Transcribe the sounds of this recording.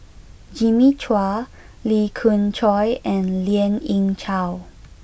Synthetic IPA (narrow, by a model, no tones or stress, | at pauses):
d͡ʒimit͡ʃʰwa | likʰũnt͡ʃʰɔjɛ̃nliə̃nĩŋt͡ʃʰaw